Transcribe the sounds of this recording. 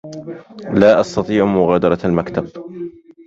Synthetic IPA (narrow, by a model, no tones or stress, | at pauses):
laːʔɑst̪ɑt̪ˤiːʕmʊɣaːd̪ɑɾˤɑalmakt̪ab